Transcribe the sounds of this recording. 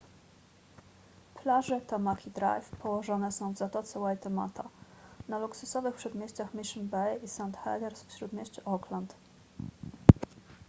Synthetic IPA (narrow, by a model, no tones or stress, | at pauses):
plaʐɘt̪ɔmakʲid̪ɾa̰jfpɔwɔʐɔnɛsɔ̃w̃vzat̪ɔt̪sɛwajt̪ɔma̰t̪ʰanaluksusɔvɘxpʂɛd̪mʲjeɕt͡s̪axmʲiʂnbɛjisant̪xa̰d̪ɛɾsfɕɾut̪mʲeɕt͡ɕuʔɔklant̪